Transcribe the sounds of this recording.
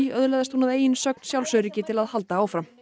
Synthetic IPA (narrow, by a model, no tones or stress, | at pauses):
œðlɛðast̪hunaðeːjɪnsœk̚n̥sjawlsœɥɾicɪt̪ʰɪlaðhal̪t̪aaːwfɾa